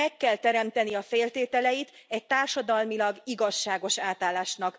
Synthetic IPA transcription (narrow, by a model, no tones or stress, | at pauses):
ɛkːɛlt̪ɛɾɛmt̪ɛniɒfeːlt̪eːt̪ɛlɛjit̪ɛc̚t̪aːrʃɒd̪ɒlmilɒɡiɡɒʃːaːɡo̞ʃaːt̪aːlːaːʃnɒk